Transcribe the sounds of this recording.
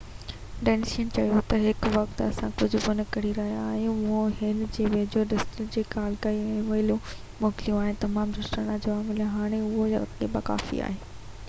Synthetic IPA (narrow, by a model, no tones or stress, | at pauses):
ɖɛːnsiənt͡ɕɐjot̪ɐɦɪkʋɐkt̪ɐsãkʊd͡ʑʱʊ̆bʊnə̆kɐɽiɾɐɦijaːjũʊɦõɦɪnd͡ʑeːʋeːd͡ʑoɖɪsʈɾɪk̚d͡ʑiːkaːlkaːiɛ̃ːʋɐɪlũ | mɔːkɪljũaːɦɪnɪt̪ɐmaːmɾʊʃɾəɽãd͡ʑoːaːmɪljaɦaːɽ̃eʊɦoɐ̰ebaka̰ːfḭa̰ːɦeː